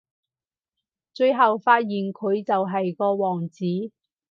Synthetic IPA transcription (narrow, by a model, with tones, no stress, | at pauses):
t͡ʃɵ˧ɥɦɐ˨wfaː˧t̚jiː˨nkʰɵ˨˧ɥt͡sɐ˨wɦɐ˨jkɔː˧wɔː˨˩ŋt͡siː˨˥